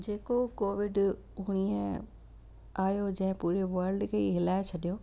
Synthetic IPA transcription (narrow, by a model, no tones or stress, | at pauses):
d͡ʑeːkokoːʋɪɖ | ʊɽ̃iə̃ | aːjod͡ʑɐ̃ɦɪ̃puːɾeʋɐɾlɖkʰeiɦɪlaːɪt͡ɕʰɐɗijoː